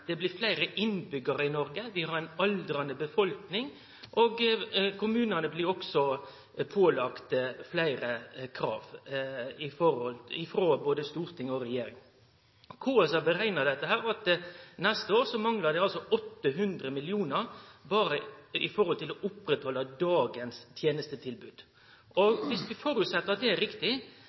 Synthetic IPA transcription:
d̪̥ɛblɪɾflæɪɾəʔɪnbʏɡəɾəɪnɔɾɡəʋ̪ɪhɑɾæɪnɑld̪ɾɑnəbəfɔlknɪŋ | ʔoɡkʊmʉːnənəblɪɾɔksɔ | pʰoːlɑkt̪flæɪɾəkʰɾɑ̰ːʋ | ɪfɔɾɔlɪfɾoːboːd̪əst̪uːɾt̪ʰɪŋɔɾɛjeːɾɪŋ | kʰuːɛsɑbəɾæɪnəd̪ɛt̪ːəɦæːɾɑt̪nɛst̪əoːɾsɔmɑŋləd̪ɛɑlsɔɔt̪ːəɦʉnd̪ɾəmɪlɪuːnəɾbɑːɾəɪfɔɾhɔlt̪ɪlɔʔʊpɾɛt̪hɔlːɑd̪ɑːɡənst̪ʰjeːnəst̪ət̪ʰɪlbʉːd̪̥ | ɔʋɪsʋɪfɔɾʉt̪sɛt̪ːəɾɑt̪̚d̪ɛæɾɪkt̪ɪ

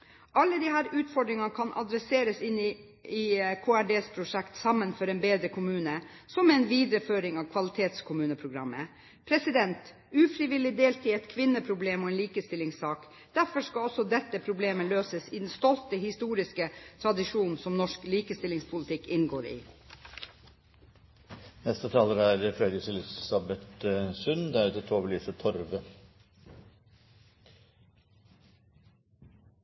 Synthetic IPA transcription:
ʔɑlːəd̪ihæːɾʉːt̪fɔɖɾɪŋɑkʰɑnʔɑ̰d̪ɾɛseːɾəsɪnːɪ | ɪkʰoːæɖeːspʰɾʊʂɛkt̪sɑmːənfɔɾɛnbeːd̪ɾəkʰʊmʉːnə | sɔmɛnʋiːd̪ɾəføːɾɪŋɑʋkʰʋɑlɪt̪ʰeːt̪skʰʊmʉːnəpʰɾʊɡɾɑ̰mːə̰ | pʰɾɛsɪd̪ɛnt̪ | ʉːfɾɪʋɪlːɪd̪eːlt̪ʰiːɛt̪kʰʋɪnːəpʰɾʊbleːmɔɛːnliːkəst̪ɪlɪŋsɑːk | d̪̥æɾfɔʂkɑɔsɔd̪ɛt̪ːəpʰɾʊbleːməløːsəsid̪ɛnst̪ɔlt̪əhɪst̪uːɾɪskət̪ʰɾɑd̪ɪʃuːnn̩sɔmnɔʂkliːkəst̪ɪlɪŋspʰʊlɪt̪ʰɪkːɪnɡoːɾḭː | nɛst̪ət̪ʰɑːləɾæɾəfɾɛd̪əsɪlɪsɑbɛt̪əsʉnd̪ɛæɾʉt̪ət̪ʰoːʋəliːsət̪ʰɔɾʋə

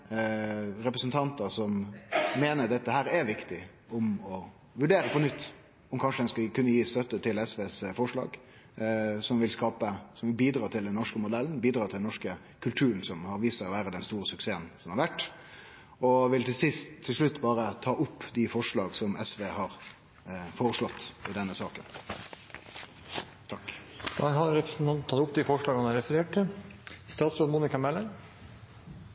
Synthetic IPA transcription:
ɾɛpɾəsnt̪ʰɑnt̪əsɔmmeːnəɾd̪ɛt̪ːəhæːɾɛɾʋɪkt̪ɪ | ɔmɔ | ʋʉɖeːɾəpɔnʏt̪ː | ɔmkʰɑnʂəd̪ɛnskɑkʉnːəjiːst̪œt̪ːət̪ʰɪlɛsʋeːsfɔʂɭɑ̰ːɡ | sɔmʋɪlskɑːpəsɔmʋɪlbiːd̪ɾɑːt̪ʰɪld̪ɛnːɔʂkəmʊd̪ɛln̩biːd̪ɾɑːt̪ʰɪlɛnɔʂkə | kʰʉlt̪ʰʉːɾənsɔmhɑɾʋiːsəɾɔʋæːɾəd̪ɛnst̪uːɾəsʉkseːənsɔmhɑɾʋæʈː | ɔʋɪlt̪ʰɪlsɪst̪ʰːɪlʂlʉt̪ːbɑːɾət̪ʰɑːʔʊpːd̪ɪfɔʂɭɑːɡsɔmɛsʋeːhɑɾ | foːʁəʂlɔt̪ːɪd̪ɛnːəsɑːkən | t̪ʰɑkɑɦɑɾɛpɾəsn̩t̪ʰɑnt̪n̩ʰɑt̪ʊpːd̪ɪfɔʂɭɑːɡhɑnæɾɛfəɾeːʈ̚ʈɪst̪ɑːt̪sɔlmuːnɪkɑmɛlən

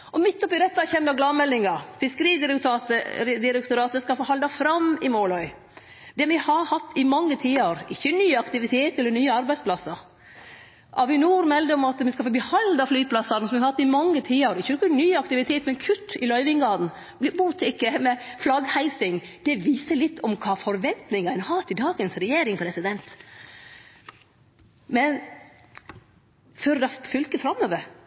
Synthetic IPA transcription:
ʔɔmɪt̪ːɔpɪɾɛt̪ːɑçɛmd̪ɑɡlɑmɛlːɪŋɑfɪskəɾiːd̪ɪɾɛkt̪ɑːt̪əɾd̪ɪɾəkt̪ʊɾɑːt̪əskɑlfoːhɑld̪ɑfɾɑmɪmoːlɔʏ | d̪̥ɛʋɪhɑhɑt̪ʰːɪmɑŋːət̪ʰiːəɾɪçːənyːɑkt̪ɪʋɪt̪ʰeːt̪ɛlːənyːəɑɾbæɪspʰlɑsːəɾ | ʔɑʋɪnuːɾmɛld̪əɔmɑt̪mɪskɑfoːbəhɑld̪ɑflyːpʰlɑsɑnəsɔmʋɪhɑhɑt̪ːɪmɑŋːət̪ʰiːəɾɪçːənɔkənyːɑk̚t̪ɪʋɪt̪ʰeːt̪mɛnkʰʉt̪ːɪlœʏʋɪŋɡɑːd̪n̩ | blɪbuːt̪ʰɪkːəmɛflɑɡhæɪsɪŋd̪̥ɛʋiːsəlɪt̪ʰːɔmkʰɑːfɔɾʋɛnt̪nɪŋɑɛnhɑːt̪ʰɪd̪ɑːɡənsɾɛjeːɾɪŋpʰɾɛsɪd̪ɛnt̪ | mɛn | føːɾd̪ɑfʏlkəfɾɑmːoːʋəɾ

